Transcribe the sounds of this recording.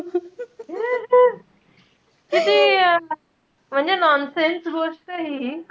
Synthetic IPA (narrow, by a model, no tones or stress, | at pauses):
t̪it̪i | m̤əɳd͡ʑenɔnsensɡosʈəɦi